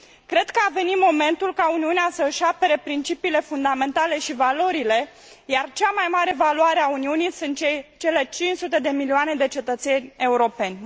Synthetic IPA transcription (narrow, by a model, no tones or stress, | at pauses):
kɾe̞d̪kəave̞nit̪mo̞me̞nt̪ulkauniuneasəʃape̞ɾe̞pɾint͡ʃipiːle̞fund̪ame̞nt̪ale̞ʃivalo̞ɾile̞ | jart͡ʃamajmaɾe̞valuaɾeauniunijsunt̪t͡ʃejt͡ʃe̞le̞t͡ʃint͡ʃsut̪e̞d̪e̞milioane̞d̪e̞t͡ʃe̞t̪ət̪se̞nʲe̞uɾo̞pe̞nʲ